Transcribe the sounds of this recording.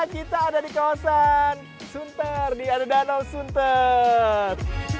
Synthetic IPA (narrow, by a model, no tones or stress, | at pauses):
kit̪aːdadikawasan | sunt̪ərdiadadanɔwsunt̪ə | r